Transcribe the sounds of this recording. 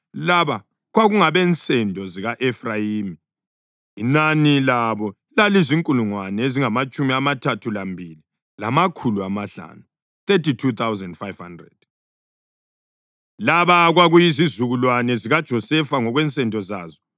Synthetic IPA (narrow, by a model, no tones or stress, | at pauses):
laβa | ɣwaɣuŋaβɛnt͡sʼɛndʱɔziɣaʔɛfrajiːmi | inanilaβɔ | laliziŋkʼuluŋwanɛeziŋamat͡ʃʼumiamatʰatʰulambʱili | lamakʰuluamaɬa̰ːnu | θetitʰut̪ʰawzɛndfajv̥handrɛ̰d̥ | laβaɣwaɣujizizuɣulwanɛziɣad̥ʒ̥ʱɔsɛfaŋɔɣwɛnt͡sʼɛndʱʼɔzaːzɔ